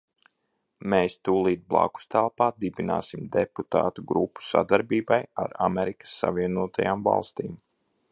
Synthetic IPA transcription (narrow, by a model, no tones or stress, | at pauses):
meːst̪uːlˠiːt̪̚blˠa̰ku̥st̪ælˠpaːd̪ibina̰ːsimd̪eput̪a̰ːt̪uɡɾupːu̥sa̰d̪aɾbiːbaja̰ɾamɛɾikə̥sːa̰viɛnuɔt̪ajaːmva̰lˠst̪iːm